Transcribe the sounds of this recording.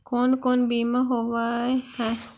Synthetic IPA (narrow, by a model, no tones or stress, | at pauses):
koːnkoːnbiːmaɦoʋaehɛ̃